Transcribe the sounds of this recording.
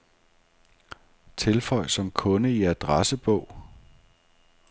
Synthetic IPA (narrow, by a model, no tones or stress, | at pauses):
t͡sʰe̝lfɒ̽ɪ̰sɒ̽mkʰɔ̽nəiæd̥ʁasəb̥ɔ̽ʊ̰